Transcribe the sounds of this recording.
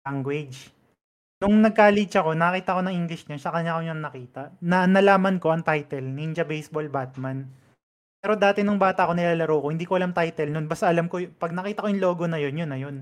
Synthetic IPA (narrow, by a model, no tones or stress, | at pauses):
aŋɡwɛd͡ʒ | nʊŋnɐɡ̚kalit͡ʃɐko̞nɐkɐkiːt̪ɐko̞nɐŋʔiŋɡlɪʃɲɐʃɐkɐɲakoɲaŋnɐkiːt̪ɐʔnɐnɐlaːmɐnko̞ʔɐŋt̪ajt̪ɛlnind͡ʒɐbɛjsbolbat̪̚man | pɛːɾo̞d̪aːt̪ɛnʊŋbaːt̪ɐko̞nɪlaːlɐɾowkhɪnd̪iːkoʔɐlamt̪ajt̪ɛlnonbɐst̪aʔɐlamko̞pɐɡ̚nɐkiːt̪ɐkojʊŋlo̞ːɡo̞nɐjo̞njonɐjo̞n